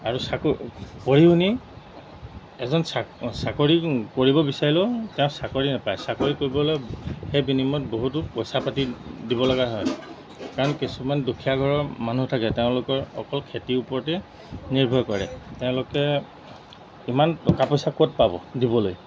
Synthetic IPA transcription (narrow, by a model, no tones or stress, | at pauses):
aɹusakpoɹiuni | ɛ̰zɔnsasakoɹikoɹibɔbisaɹilɛtɛʊ̃sakoɹinapajsakoɹikoɹibɔlojxejbinimɔt̚boɦut̬ʊpojsapatidibɔlɔɡaɦɔj | kaɹɔnkisumandukʰijaɡʱɔɹɔɹmanutʰakɛteʊ̃lʊkɔɹɔ̰kɔlkʰetiupɔɹtɛ | niɹbʱɔjkɔɹɛ̰tɛʊ̃lʊkɛ | imantɔkapɔjsakɔt̚pabɔ̰dibɔloj